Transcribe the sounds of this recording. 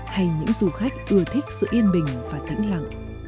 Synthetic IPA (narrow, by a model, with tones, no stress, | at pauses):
ha˧jɲɨ̰˧˥ŋzu˨˩xa˦˥jk̟̚ʔɨ˧˩ət̪ʰi˦˥k̟̚sɨ̰˧˨ʔi˧ənɓï˨˩ŋ̟vaː˨˩t̪ḭ˧˥ŋ̟la̰˧˨ŋ